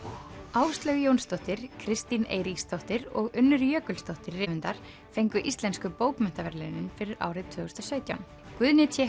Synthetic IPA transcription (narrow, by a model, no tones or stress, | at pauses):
aːwst̪lœɥɣjownst̪ɔht̪ɪɾ̥kʰɾɪst̪inḛːjɾikst̪ɔht̪ɪɾɔɣʏnːʏɾjœːkʏlst̪ɔht̪ɪrːɪvɪnt̪aɾ̥ | fejŋkʏʔist̪lɛnskʏpoːwpmɛn̥t̪avɛɾlɪnʏnfɪɾɪɾʔa̰ːwɾɪðt̪ʰvʏːɣʏst̪asœːɥt̪jawn | kvʏðnɪt̪ʰɛ